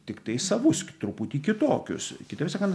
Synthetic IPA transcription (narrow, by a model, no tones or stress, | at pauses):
t̪ʲɪkt̪ɐɪsɐʋʊskʲt̪ɾʊpʊt̪ʲiːkʲɪt̪oːkʲʊ̰skʲɪt̪ɐsɑːkɐnt̪